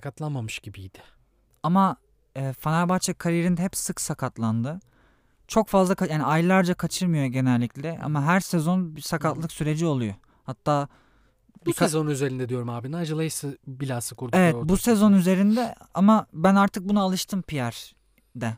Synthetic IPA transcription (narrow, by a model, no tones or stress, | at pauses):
akat̪lˠanmamɯʃɟibijd̪̥ɪ̥ | ama | ɯːfanaɾbat͡ʃʰakʰaɾiɾinɦɛpsɯksakʰat̪lˠand̪ɯ | t͡ʃʰo̞kfazlˠakʰajaːniajlˠaɾd͡ʒakʰat͡ʃʰɯɾmɯjo̞ɟe̞nɛlʲːiclʲɛʔa̰maɦæɾsɛzo̞nbisakʰat̪lˠɯksyɾe̞d͡ʒio̞lˠujo | hat̪ʰːaː | bsɛzonyze̞ɾind̪ɛd̪ijo̞ɾumaːbinajd͡ʒalˠajɯsɯbilʲaːsɯkʰuɾd̪evɛt̪busɛzo̞nyze̞ɾind̪ɛa̰mabænaɾt̪ʰɯk̚bunaalˠɯʃt̪ʰɯmpʰijæɾ | d̪ɛ